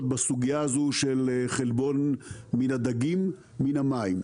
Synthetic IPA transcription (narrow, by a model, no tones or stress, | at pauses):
t̪̚basuɡijaazuʃelχelbo̞nminad̪aɡimː | inamaim